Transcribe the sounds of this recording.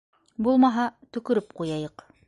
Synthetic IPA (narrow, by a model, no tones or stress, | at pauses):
bulˠmɑɦɑt̪ɵ̆kɵ̆ɾɘpqujɑjɤq